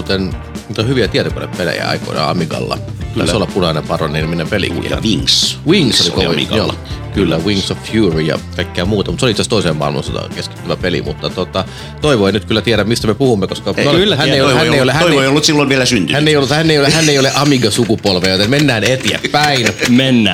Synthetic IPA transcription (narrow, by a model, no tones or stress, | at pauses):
t̪en | niːt̪ohyʋiæt̪iæt̪oko̰lḛppelḛjæ̰ɑ̰iko̰nɑ̰ɑ̰miɡɑ̰lːɑ̰k̪ːssolːɑpunɑinepɑronninminːempelḭkṵɑ̰ʋiŋswiŋsolḭkoḭɡokylːæwiŋsoffjuːrijɑ̰kɑikːæːmuːt̪ɑmut̪seoliitsˑæːst̪oˑiseːmmɑ̰lmo̰nso̰t̪ɑ̰keski̥t̪ːyʋæpelḭmut̪ːɑt̪ot̪ɑ | t̪oiʋoinyt̪̚kylːæt̪iæɾæmmist̪æmepuhumːekoskɑolːæhænːeˑiohænjeijolehæoioejolːut̪silːoiʋielæsynt̪ynænːeˑijolːut̪hænːeˑijolehænːeioleʔɑmiɡɑsukupolʋeːjot̪emmenːæːnet̪iæ̰ppæinmenːæ